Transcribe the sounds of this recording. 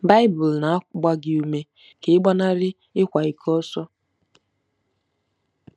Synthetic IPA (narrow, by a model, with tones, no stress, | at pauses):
ba˦ɪ˦bʊ˨lna˨˦ɡ͡ba˦ɡɪ˨u˨me˨ | kɪ˨ɪ˦ɡ͡ba˦na˦ɾɪ˦ | ɪ˦kʷa˨i˨kʰɔ˦sɔ˦